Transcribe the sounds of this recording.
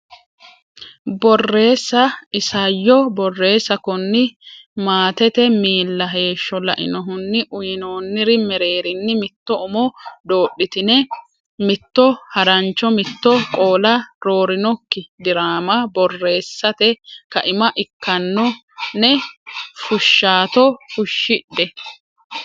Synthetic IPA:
bɔrːe̞ːsːɐɪsɐjːɔbɔrːe̞ːsːɐkɔnːɪmaːt̪ɛt̪ɛmiːlːɐɦe̞ːʃːɔlɐʔɪ̰nɔɦʊnːɪʔʊjɪnoːnːɪɾɪmɛɾe̞ːɾɪnːɪmɪt̪ːɔʊmɔd̪o̞ːɗːɪt̪ɪnɛ | mɪt̪ːɔhɐɾɐnt͡ʃːɔmɪt̪ːɔkʼo̞ːlɐɾo̞ːɾɪnɔkːɪd̪ɪɾaːmɐbɔrːe̞ːsːɐt̪ɛkɐʔɪmɐʔɪkʰːɐnːɔ | nɛfʊʃːaːt̪ɔfʊʃːɪɗːɛ

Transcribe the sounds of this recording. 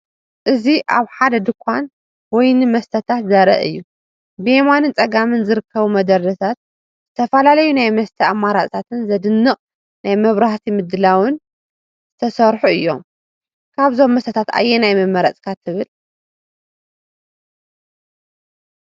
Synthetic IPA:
ʔɨziʔa̰βħad̪ɐd̪ɨkʷʰːan | wɔjnɨmɐst̪ʰɐt̪ʰat̪zɐɾɐ̰ʔɨ̰jːu | bɨemanɨnt͡sʼɐɡamɨnzɨɾɨkʰːɐβumɐd̪ɐɾdɐt̪ʰat̪̚ | z̥ɨt̪ʰɐfɐlalɐjunajmɐst̪ʰɐamːaɾat͡sʼt̪ʰat̪ʰɨnzɐd̪ɨnːɨχʼ | najmɐβɾaht̪ʰimɨd̪ːɨlawɨn | z̥ɨt̪ʰɐsɐɾħuɨjːo̞̰m | kʰaβzo̞mːɐst̪ʰɐt̪ʰat̪a̰jːenajmɨmːɐɾɐt͡sʼkʰat̪ʰːɨβɨl

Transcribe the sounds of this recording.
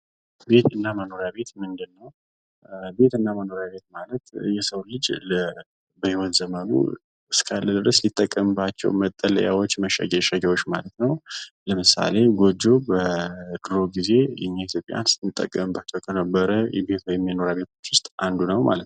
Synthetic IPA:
be̞t̪ɨnːaməno̞ɾjabe̞t̪mɨnd̪ɨnːəw | be̞t̪ɨnːaməno̞ɾjaβe̞t̪̚malət̪jɛsəwlɨd͡ʒlə | bəhiwonzəmənṵ | ɨskʰalːəd̪ɨɾəslit̪ʼːəkʼːəmbat͡ʃːɛ̰wmət̪ʼːələ̰jawot͡ʃːməʃa̰ɡɛʃaɡɛwot͡ʃːmalət̪nəwləmɨsa̰le̞ɡo̞d͡ʒːo̞bəɡɨɾo̞ɡize̞jɛ̰ɲːihit̪jo̞pʼja̰nst̪mɨt̪ʼːə̰kʼːəmbat͡ʃːɛwkʰənəbːəɾəjɛbe̞t̪wɔjɛmːino̞ɾjaβe̞t̪ʰo̞̥t͡ʃːwʊst̪ʼʔand̪unəwma̰lət̪

